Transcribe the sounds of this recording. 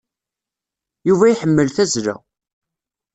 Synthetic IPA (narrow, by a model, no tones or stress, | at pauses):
juvæjħəmːəlθæzɾæ̰